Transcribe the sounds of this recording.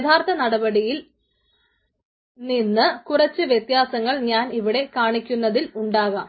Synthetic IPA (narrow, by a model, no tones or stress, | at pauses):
d̪ʱaːrt̪ʰɐnɐɽɐbɐɽijil | ninːɨkurɐt͡ɕːɨʋjet̪jaːsɐŋːɐɭɲaːniʋiɽe̞kaːɳikʲːunːɐðiluɳɖaːɣɐ